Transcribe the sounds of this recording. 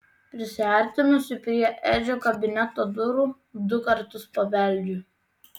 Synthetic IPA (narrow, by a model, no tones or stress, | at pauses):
pʲɾʲɪsʲɪɐˑɾʲt̪ʲɪnʊsʲɪpʲɾʲiɛʔɛd͡ʒʲoːkɐbʲɪnʲɛt̪oːd̪ʊɾuː | d̪ʊkɐɾt̪ʊspɐʋʲɛlʲd͡ʒʲuːˑ